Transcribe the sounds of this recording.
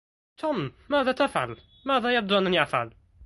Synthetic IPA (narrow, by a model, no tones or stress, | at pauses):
t̪ʰuːmmaːðat̪afʕa̰l | maːðajab̚d̪uʔænːæniʔafʕa̰l